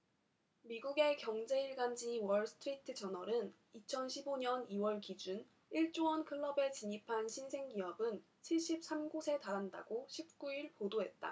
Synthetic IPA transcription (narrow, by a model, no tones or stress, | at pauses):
miɡuɡe̞kjʌŋd͡ʑe̞iɭɡand͡ʑiwʌɭsʰɯ̥tʰɯɾitʰɯt͡ɕʌnʌɾɯn | it͡ɕʰʌnɕʰiboɲʌniwʌɭkid͡ʑun | iɭt͡ɕ͈owʌnkʰɯɭːʌbe̞t͡ɕiɲipʰanɕʰinsʰe̞ŋɡiʌbɯn | t͡ɕʰiɭɕ͈ip̚s͈amɡosʰe̞taɾɦanda̰ɡoɕʰip̚k͈uiɭpodoɦe̞t̚t͈a̰